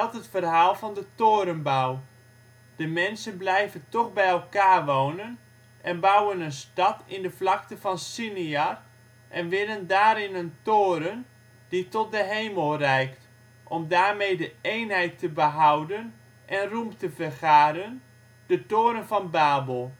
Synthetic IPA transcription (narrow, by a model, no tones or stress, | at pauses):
ɑlˠtətfərɦaːlˠvɑndətoːɾənbaw | d̥əmɛnsənblɛjvəntɔχbɛjɛlˠkaːrʋownən | ʔɛnbawənənstɑtɪndəflɑktəvɑnsiniar | ʔɛnʋɪləndaːɾɪnəntoːɾən | d̥itɔt̚dəɦejməlˠrɛjkt | ʔɔmdaːrmejdəejnɦɛjtʰːəbəɦawdən | ʔɛnrumtəfərχaːɾən | d̥ətoːɾənvɑnbaːbəlˠ